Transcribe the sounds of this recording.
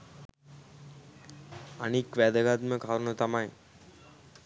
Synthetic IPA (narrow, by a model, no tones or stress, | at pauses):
anikʋæd̪əɡat̪məkaɾunut̪amaj